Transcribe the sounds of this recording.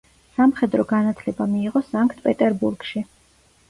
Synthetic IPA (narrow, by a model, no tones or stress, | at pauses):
samχɛd̪ɾɔɡanat̪ʰlɛbamiːʁɔsaŋkʰt̪ʰʼpʼɛt̪ʼɛɾbuɾɡ̥ʃi